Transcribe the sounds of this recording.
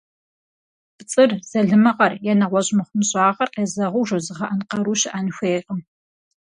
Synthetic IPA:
bt͡sʼɨrz̥ɐɮɨmɐʁɐrjɛnɐʁʷɔʑʼmɨχʷʊmɨɕʼɑːʁɐrqeːzɐʁʊʒozɨʁɐʔɐnqɐɾuːɕɪʔɐnxʷeːqʼəm

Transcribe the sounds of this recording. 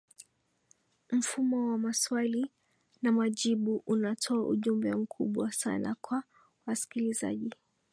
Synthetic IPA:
m̩fumɔwamaswali | namaʄiɓuʔunatʰɔaʔṵʄumbɛm̩kʰuɓwasa̰na̰kwa | wasi̥kiliza̰ʄi

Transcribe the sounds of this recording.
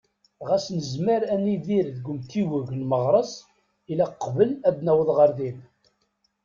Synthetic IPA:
ʁæsnəzməɾænːiðiɾðɡʷəmt̪iwəʝnməʁɾˤəsˤ | ilæqːvəlæbnæwəðˤʁəɾðin

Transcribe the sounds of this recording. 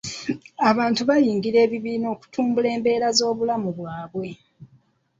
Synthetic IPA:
aβaːntuβajiːŋɡiɾe̞ːβiβiːno̞ːku̥tʰuːmbule̞ːmbe̞ːɾazo̞ːβulamuβwaːβwe̞

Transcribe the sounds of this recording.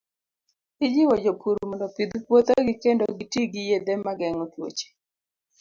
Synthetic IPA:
ɪd͡ʒiwɔd͡ʒopʰuɾumɔndɔpid̪ukwot̪oɡɪkendo̰ɡitiɡijed̪emaɡɛŋɔtwo̰t͡ʃe̥

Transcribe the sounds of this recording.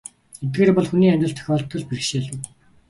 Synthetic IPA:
et̪̚ɡeːɾrpɔɮxuniːæmʲt͡ɕ̪ɪ̆ɬt̪ʰœ̥xʲɔːɮ̚t̪ʰːɞ̆ɮperɘ̆kʃeːɮɘ̆w

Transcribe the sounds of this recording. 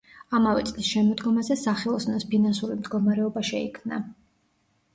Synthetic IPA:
amavɛt̪sʼlisʃɛmɔd̪ɡɔmazɛsaχɛlˠɔsnɔspʰinansuɾimd̪ɡɔmaɾɛɔbaʃɛikʰmna

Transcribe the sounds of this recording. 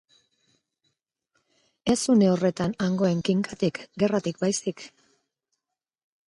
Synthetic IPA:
esune̞o̞re̞t̪anaŋɡo̞e̞ŋkiŋkat̪ikɡe̞rat̪ik̚bajsik

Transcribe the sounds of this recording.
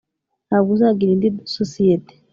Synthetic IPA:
naːβuzaɡiɾindidsosijete̥

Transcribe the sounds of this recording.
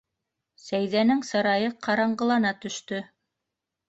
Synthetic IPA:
sæjðænɘŋsɤ̆ɾɑjɤqʰɑɾɑɴɢɤ̆lˠɑnɑt̪ɵ̆ʃt̪ɵ

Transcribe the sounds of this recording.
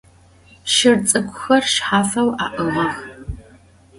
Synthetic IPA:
ʃɪrt͡sʼɨkʷʼʊxɐrʃħaːfɐwa̰ːʔəʁɐx

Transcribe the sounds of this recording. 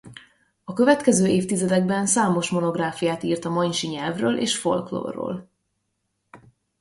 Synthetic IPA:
ɒkø̞vɛt̪kɛzøːeːft̪izɛd̪ɛɡ̚bɛnsaːmo̞ʃmo̞no̞ɡraːfijaːt̪iːrt̪ɒmɒɲʃiɲɛlvrø̰ːlʔḛːʃfo̞̰lklo̰ːrːo̰ːl

